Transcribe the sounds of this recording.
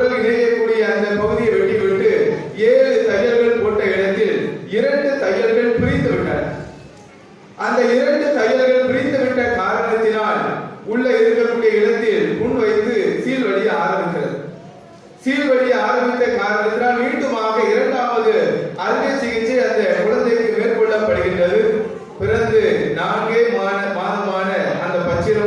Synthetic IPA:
ɽɐlɪnɐjɐkːuːɽɪjɐːnd̪ɐpɐɣɯðɪjɐʋɐʈːɪʋɪʈːɯeːɾɯsɛjːɐlɣɐɭpoːʈːɐɪɽɐt̪ːɪlɪɾɐɳɖɯt̪ɐjːɐlɣɐɭpɪɾɪnd̪ɯʋɪʈːɐ̰ːɾ | ʔɐnd̪ɐɪɾɐɳɖɯsɐjːɐlɣɐɭpɪɾɪnd̪ɯʋɪʈːɐkaːɾɐɳɐt̪ːɪnaːlʊɭːɐɪɾɯkːɐlɯɽɪjɐɪɽɐt̪ːɪlpʊɳʋɐɪt̪ːɯsiːlʋɐɭɪjɐaːɾɐmbɪk̪ːɪrɐɾ | siːlʋɐɭɪjɐaːɾɐmbɪt̪ːɐkaːɾɐɳɐt̪ːɪɾaːlniːɳɖɯmaːɣɐɪɾɐɳɖaːmɯɣɐɭɐɾɯʋɐt͡ʃːɪɣɪt͡ʃːiɐnd̪ɐkʊɻɐnd̪ɐɪkːɯmeːɾkɔɭːɐpːɐɽɯɣɪndrɐðɯ | pɪɾɐnd̪ɯnaːŋɡeːmaːnɐmaːnɐmaːnɐɐnd̪ɐpɐt͡ʃːɪɽɐ

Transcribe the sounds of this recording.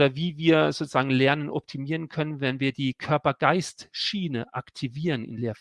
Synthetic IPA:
dɐviːviːɐzoːt͡suz̥aːɡŋ̩lɛɐnənʔɔp̚tʰimiːʁənkʰœnənvɛnviːɐdiːkʰœɐpɐɡaɪstʃiːnəʔaktʰiviːʁənɪ̰nleːɐf

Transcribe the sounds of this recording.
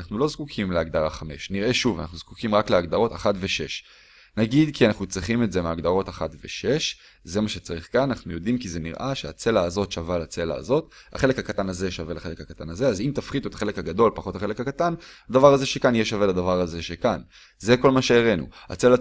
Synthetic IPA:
aχnulo̞zkukʰimleaɡd̪aʁaχame̞ʃniʁʔe̞ʃuva̰na̰χnuzkukimʁakleaɡd̪aʁo̞taχatveʃe̞ʃ | naɡid̪kianaχnut͡sʁiχimetze̞meaɡd̪aʁo̞taχat̪vḛʃe̞ʃ | ze̞maʃe̞t͡saʁiχkananaχnujo̞dimkizenḭʁʔaʃea̰t͡se̞laːzo̞tʃavalat͡se̞la̰ːzo̞t̪ | a̰χe̞le̞khakat̪anazeʃave̞laχe̞le̞khakat̪anazeazimt̪afχid̪uet̪ḁχele̞khaɡad̪o̞lpaχo̞t̪aχele̞kakat̪anad̪avaʁazeʃekanjeʃave̞lad̪avaʁazeʃekan | ze̞ko̞lmaʃeeʁe̞nṵa̰t͡sela

